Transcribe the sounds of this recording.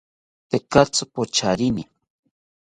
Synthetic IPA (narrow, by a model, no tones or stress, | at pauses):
t̪ekat͡sʊpot͡ʃaɾɪnɪ